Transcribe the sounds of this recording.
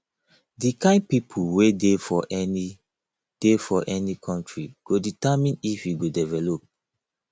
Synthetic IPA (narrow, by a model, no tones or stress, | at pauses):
dikãɪ̃n̚pipʰuwedefɔʔɛni | d̥efɔʔɛnikʰɔ̃ntɹiɡ̥oditamĩnifjuɡodɛvɛlop̚